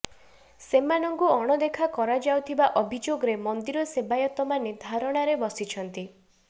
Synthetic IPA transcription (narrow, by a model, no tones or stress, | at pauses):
semanɔŋkuɔɽ̃ɔd̪ekʰakɔɾad͡ʒawt̪ʰibaʔɔbʱid͡ʒoɡɔɾemɔnd̪iɾɔsebajɔt̪ɔmanid̪ʱaɾɔɽ̃aɾebɔsit͡ʃʰɔnt̪i